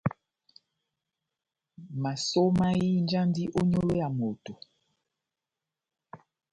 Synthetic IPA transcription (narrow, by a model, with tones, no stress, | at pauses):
ma˨so˦ma˦ji˦nd͡ʒa˦ndi˦ʔo˦ɲo˦lo˦ja˨mo˨to˨